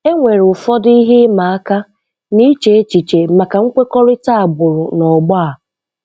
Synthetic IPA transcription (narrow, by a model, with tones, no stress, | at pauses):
e˦ŋʷe˨ɾʊ˨fɔ˦di˦ɦɪ˦ma˨a˦ka˦ | ni˦t͡ʃe˨e˦t͡ʃi˨t͡ʃe˨ma˨ka˨ŋ̩˦kʷe˦kɔ˦ɾɪ˦ta˦a˨ɡ͡bʊ˨ɾʊ˨nɔ˨ɡ͡bɔ˦a˨